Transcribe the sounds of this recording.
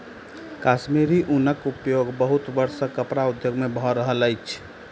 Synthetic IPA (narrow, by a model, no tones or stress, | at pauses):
kaːʃmiɾiʔunəkupjoɡbəɦut̪bəɾsəkəpɾaʊd̪ʱjoɡmẽbʱɔɾəɦələɪt͡ʃʰ